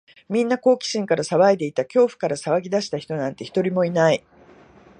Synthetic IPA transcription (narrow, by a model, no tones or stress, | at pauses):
mʲĩnːako̞ːkʲi̥ɕĩŋkaɾasaβaid̪e̞it̪akʲo̞ːɸɯ̟̥kaɾasaβaɡʲid̪aɕi̥t̪açi̥t̪o̞nãnt̪e̞çi̥t̪o̞ɾʲimo̞inai